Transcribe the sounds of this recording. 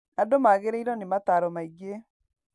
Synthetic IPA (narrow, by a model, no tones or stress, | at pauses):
adomaɣeɾeiɾɔnemataɾɔmaiɡe